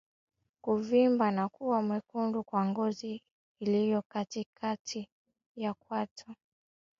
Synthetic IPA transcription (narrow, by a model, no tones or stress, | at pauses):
kuvimbanakuwamwɛkundukwaŋɡɔziː | lijɔkatikʰatʰi | jak̚watʰɔ